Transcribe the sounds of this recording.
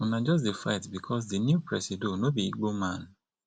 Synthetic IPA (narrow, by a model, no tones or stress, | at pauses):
ɔ̃nãd͡ʒɔs̬difaɪtbikʰɔs̬dinjupɹɛsidonobiiɡ͡bomãn